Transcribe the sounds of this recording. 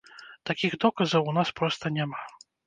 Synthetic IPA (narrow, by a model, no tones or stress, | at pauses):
t̪akʲiɣd̪ɔkɐzɐwnaspɾɔst̪ɐnʲama